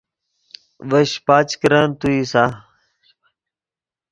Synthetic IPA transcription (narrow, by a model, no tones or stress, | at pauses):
ʋɐɕpaːt͡ɕkɾant̪uisaː